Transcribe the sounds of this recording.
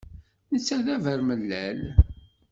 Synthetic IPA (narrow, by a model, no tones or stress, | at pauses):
nət͡sːæðævəɾməlːæl